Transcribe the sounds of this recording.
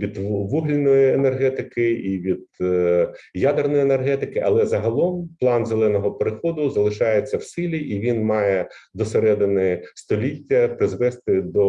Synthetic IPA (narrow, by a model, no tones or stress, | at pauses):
ʋʲid̪ʋuɦlʲinɔjienerɦɛt̪ɪkɪiʋʲid̪̚ | jad̪ernɔjene̞rɦɛt̪ɪkɪʔɐ̰lˠɛzɐɦɐlˠɔmplˠɑnzelˠɛnɔɦɔpeɾɪxɔd̪ʊzɐlˠɪʃɑjet͡sʲːɐwsɪlʲiʔiʋʲinmɑjɛd̪ɔseɾɛd̪ɪnɪst̪ɔlʲitʲːɐpɾɪzʋɛst̪ɪd̪ɔ